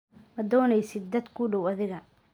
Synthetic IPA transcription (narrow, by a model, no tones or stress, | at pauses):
mɐd̪ɔːnɛjsɪd̪̚ːɐd̪kʰʊɖɔwɐðɪɣɐ